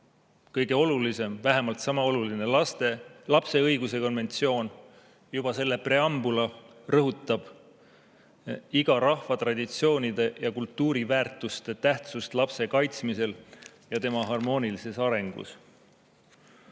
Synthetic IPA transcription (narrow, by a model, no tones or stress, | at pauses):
kɤjɡ̥e̞o̞lulise̞mvæɦemɑlt̪sɑmɑo̞luline̞lɑst̪elɑpse̞ɤjɡ̥use̞ko̞nve̞nt̪sio̞ːn | jub̥ɑse̞lːe̞pre̞ɑmbulɑ | rɤɦut̪ːˑɑb̥ | iɡ̥ɑɾɑhvɑt̪rɑd̪̥ʲit̪sio̞ːnʲid̪̥e̞jɑkult̪ˑːuːɾivæːrt̪ːˑust̪e̞t̪æht̪sust̪lɑpse̞kɑjt̪smise̞l | jɑt̪e̞mɑɦɑrmo̞ːnʲilise̞sɑɾe̞ŋɡ̥ṵs